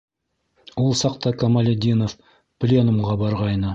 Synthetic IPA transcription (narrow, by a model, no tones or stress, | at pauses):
wolˠsɑqt̪ɑkɐmalʲed̪ʲinof | plʲenumʁɑbɑɾʁɑjnɤ